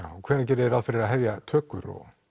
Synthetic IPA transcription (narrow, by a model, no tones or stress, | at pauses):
awkʰvɛːɾnacɛːɾɪðɛɾaðfɪɾɪɾaðɦɛvjat̪ʰœːkʏɾɔ̰